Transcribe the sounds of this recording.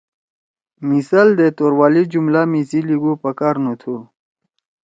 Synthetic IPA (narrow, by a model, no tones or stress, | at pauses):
misald̪et̪oːɾwaːlid͡ʑumlamisiliɡupɐkaːɾnut̪ʰu